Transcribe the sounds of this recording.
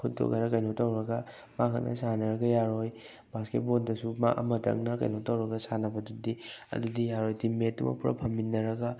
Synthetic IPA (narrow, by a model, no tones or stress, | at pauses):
kʰut̚do̰ɡɐnɐkɐjnotawɾɐɡɐ | makʰɐt̚nʔɐ̰sanɐɾɐɡɐjaɾoj | basket̚bondɐsuma̰ʔɐ̰mɐtɐ̰ŋnɐkɐ̰jnotawɾɐɡɐsanɐbɐdudiɐ̰dudijaɾojdimetumɐ̰puɾɐ̰pʰɐmbinːɐɾɐɡɐ